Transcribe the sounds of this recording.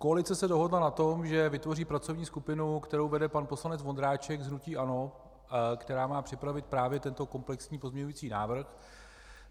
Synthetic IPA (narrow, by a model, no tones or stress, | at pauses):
ko̞alɪt͡sɛsɛdo̞ɦo̞dlanat̪o̞mʒɛvɪt̪vo̞riːpɾat͡so̞vɲiːskupɪnukt̪ɛɾowvɛdɛpanpo̞slanɛt͡svo̞nd̪ɾaːt͡ʃɛɡzɦnuciːʔano̞ | kt̪ɛɾaːmaːpr̥ɪpɾavɪt̪̚pɾaːvjɛt̪ɛnt̪o̞ko̞mplɛksɲiːpo̞zmɲɛɲujiːt͡siːna̰ːvr̩x